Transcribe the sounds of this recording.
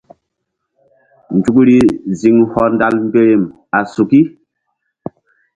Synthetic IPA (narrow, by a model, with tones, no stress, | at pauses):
n˨d͡ʒu˨kɾi˨zi˨ŋhɔ˨nda˦lm̩˦be˦ɾe˨m | a˨su˨ki˦